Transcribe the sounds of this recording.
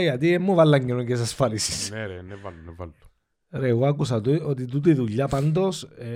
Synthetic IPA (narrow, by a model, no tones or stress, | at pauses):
jɐt̪iemːuvɐlːɐɲːeɾoɲces̬ɐsfɐɾisi̥snvalvalu̥ | ɾeɣoɐkusɐt̪uot̪it̪ut̪̬uiðuʎːɐpand̪os